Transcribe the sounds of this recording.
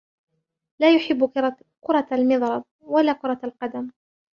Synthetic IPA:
laːjʊħɪbːʊ | kʊɾˤɑlmɨðˤɾˤɑd̪̚ˤwalaːqʊɾˤɑalqɑd̪am

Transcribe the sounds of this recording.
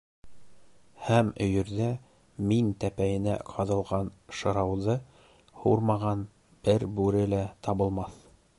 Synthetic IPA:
hæmɵ̆jɵ̆ɾðæ | mint̪æpæjɘ̆næ̰qʰɑðɤ̆lˠʁɑnʃɤ̆ɾɑwðɤ | huɾmɑʁɑn | b̥ɘɾbʉɾɘlæt̪ɑβɤ̆lˠmɑθ

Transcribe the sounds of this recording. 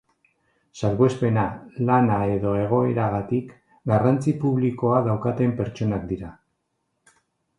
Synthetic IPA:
salɣespe̞nalanae̞ðo̞e̞ɣ̞o̞e̞ɾaɣat̪ik | ɡarant͡sipuβliko̞aðawkat̪e̞mpe̞ɾt͡ʃo̞nakd̪iɾa

